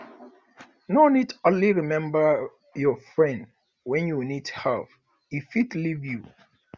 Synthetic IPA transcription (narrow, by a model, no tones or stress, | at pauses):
nonitõnliɹimɛ̃mbə | jɔfɹɛ̃nd | wɛ̃njunithav | ifitlivju